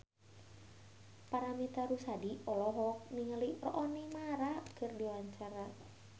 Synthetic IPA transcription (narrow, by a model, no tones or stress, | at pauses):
paɾamit̪aɾusadiɔlɔɦɔk̚niŋəlirɔ̰ʔɔnimaɾakɨrdiwaɲt͡ʃaɾa